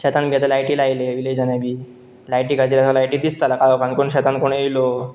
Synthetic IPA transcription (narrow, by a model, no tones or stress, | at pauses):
ɕɛt̪anbʱijat̪̬elajʈilajleʋiled͡ʑd͡ʑanabʱiː | lajʈikad͡ʑiɾasalajʈiːd̪ist̪alakajokankoɳɕɛt̪ankoɳejlo